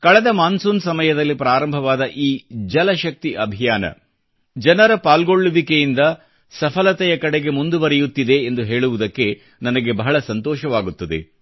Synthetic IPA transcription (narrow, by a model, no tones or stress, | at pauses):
kɐɭɛd̪ɐmaːnsuːnsɐmɐjɐd̪ɐlːipɾaːɾɐmbʱɐʋaːd̪ɐʔiːd͡ʒɐlɐʃɐk̚t̪iʔɐbʱijaːnɐ̰ | d͡ʒɐnɐɾɐpaːlɡo̞ɭːuʋikejind̪ɐ | sɐpʰɐlɐt̪ɛjɐkɐɽeɡe̞mund̪uʋɐɾɛjut̪ːid̪e̞ːnd̪uɦe̞ːɭuʋud̪ɐkːe̞ | nɐnɐɡe̞bɐɦɐɭɐsɐnt̪ɔːʃɐʋaːɡut̪ːɐd̪e̞̰